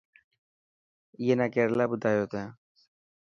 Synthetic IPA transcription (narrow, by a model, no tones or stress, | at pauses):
jeːnakeɾlabʊd̪ʱaːjoːt̪ãː